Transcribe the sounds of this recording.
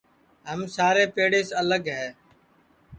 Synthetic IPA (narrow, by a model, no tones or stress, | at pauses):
ɦəmsaːɾeːpeːɽeːsələɡɦɛː